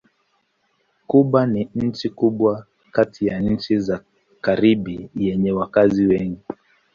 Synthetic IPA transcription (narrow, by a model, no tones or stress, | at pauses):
kuɓaniɲ̩t͡ʃikuɓwa | katʰijan̩t͡ʃiza | kaɾiɓijɛɲɛwakaziwɛŋɡi